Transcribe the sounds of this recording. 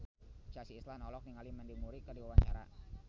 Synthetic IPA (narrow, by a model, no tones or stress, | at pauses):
t͡ʃasiːslanɔlɔk̚niŋalimandimuɾikərdiwawaɲt͡ʃa̰ɾa̰